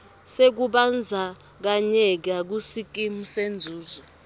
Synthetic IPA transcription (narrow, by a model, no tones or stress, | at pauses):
sek̬uɓand͡zʱa | k̬aɲɛk̬ak̬usik̬ʼimusend͡zʱuːzɔ